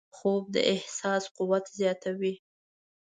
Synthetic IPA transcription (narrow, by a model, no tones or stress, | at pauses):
xob̚d̪ə̰ʔɪhsɑsquwat̪zjɑt̪awi